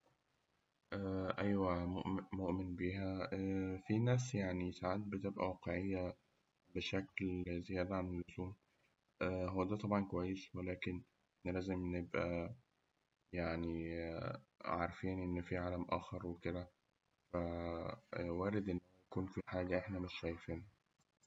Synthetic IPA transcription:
ʔæʔæjwæʔmoʔmenbiːɦæ | finæːs̬jaʕnisaʕad̪̚bet̪ebʔæ̰wæːqeʕejːæ | beʃæklzejæːd̪ʕanelʔoz̥uːm | ʔæɦowːæd̪æːt̪ˤɑbʕɑnkowæjːeswelæːkenː | læːzemnebʔæ | jaʕni | ʕaɾˤfiːnʔenːfiʕaːlæmʔæːxɑɾˤweked̪æ | fæ | wæːɾed̪ʔenːæhjækuːnfiħaːɡæʔeħnæmeʃʃæːjefiːnhæ

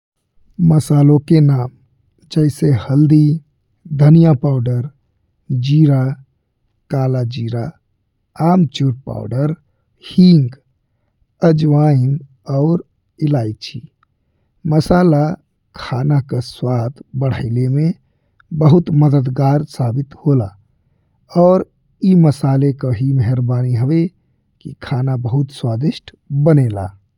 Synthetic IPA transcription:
məsaːlõkenam | d͡ʒəɪsehəld̪i | d̪ʱənijapaʊɖəɾ | d͡ʒiɾa | kalad͡ʒiɾaː | mt͡ʃuɾpa̰ʊɖəɾ | hiŋɡ | əd͡ʒʋaim | ɔʊɾ | ilaɪt͡ʃʰi | məsaːla | kʰaːnakaswaːd̪bəɽ̤əɪleme | bəɦʊt̪məd̪əd̪ɡaːɾsaːbɪt̪hola | ɔːɾ | iməsaːlekaɦimɛɦəɾbaːniɦəʋe | kikʰaːnabəɦʊt̪swaːd̪ɪʃʈʰ | bəneːla̰ː

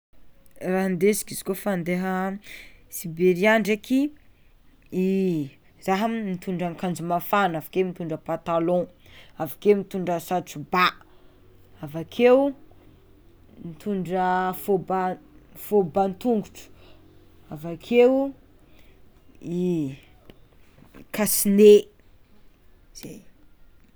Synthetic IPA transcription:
raɦnd̪esi̥kizi̥kofand̪eɦə | sibeɾiaɳɖ͡ʐekʰi | i | zaɦammit̪uɳɖ͡ʐaŋkand͡zumafanavakemit̪uɳɖ͡ʐəpat̪alɔ̃ | avakemit̪uɳɖ͡ʐəsat͡suba | avakʰew | mit̪ʰuɳɖ͡ʐəfobafobant̪uŋɡuʈ͡ʂu̥ | avakʰew | i | kasine | z̥ej

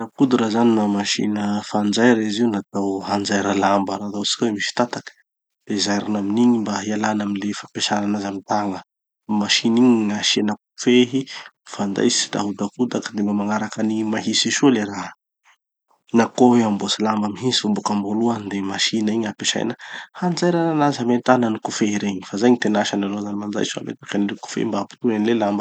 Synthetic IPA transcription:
nakud̪uɾazaninamaʃḭnəfand͡zajɾəiziunat̪awɦand͡zajɾəlambəɾat̪asi̥kʲamiʃi̥t̪at̪akə̥ | l̥ezajɾinaminiɲimbaialanaminlefapeʃaɾanazamint̪aŋə | maʃiniɲŋaʃenakufeɦifand̪a̰jsi̥ida̰ɦud̪akud̪akd̪emamaŋaɾakənimaɦisiʃoleɾaɦ | nakoweambosalambamiɦisifombukamboluand̪emaʃinəiɲapeʃa̰jnəhand͡zajɾananazamenʈ͡ʂanənikufeiɾeiɲifazajɲit̪enaʃanalozanimand͡za̰jsifa̰mḛt̪ḁkaniliku̥fḛmbaapu̥t̪uanilelambə

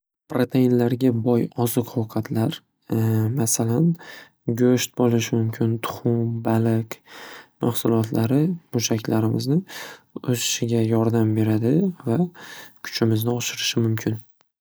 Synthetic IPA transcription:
pɾot̪ʰainlaɾɡʲabɒjɒzɨqhowqʰɑt̪ʰlaɾ | masalan | ɡʲoʃt̪̚bolɪʃɪmʊmkʲʰɪnt̪ʰʊ̥χʊmbalɪkʲmahsʊlˠɒt̪ʰlaɾɪmʊʃakʲlaɾɪmɪznɪʊzɪʃɪɡʲajɒɾd̪ambe̞ɾad̪ɪvakʰʊ̥t͡ʃʰɪmɪznɪɒʃɪɾɪʃɪmʊmkʲʰɪn

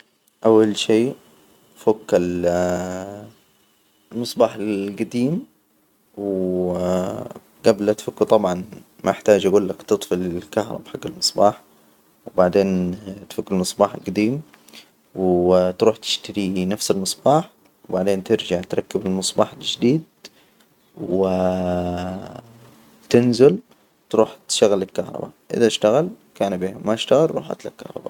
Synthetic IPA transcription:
ʔawːalʃeː | fʊkːal | lmɨsˤbɑːħalɡad̪iːm | w | ɡablat̪fʊkːɪt̪ˤɑbʕɑn | mʔaɪħt̪aːd͡ʒʔaɡuːlːakt̪ɨt̪ˤfɪlɪlkaɦɾˤɑ̰bħaɡːalmɨsˤbɑːħ | wbaʕd̪eːnt̪fʊkːalmɨsˤbɑːħalɡad̪iːm | wt̪ɾuːħt̪ʰɪ̥ʃt̪aɾinafsalmɨsˤb̥ɑːħ | wbaʕd̪eːnt̪ɪɾd͡ʒaʕt̪ɾˤɑkːabɪlmɨsˤbɑːħalʒd̪iːd̪̚ | wɪ | t̪ɪnzɪl | t̪ɾuːħt̪ʃaɣalːɪlkɑhɾˤɑ̰ba̰ʔɪ̰ðaɪʃt̪aɣal | kaːnbiːhamaɪʃt̪aɣɪlɾˤṵːħʔa̰t̪la̰kːɑhɾˤɑ̰ba̰

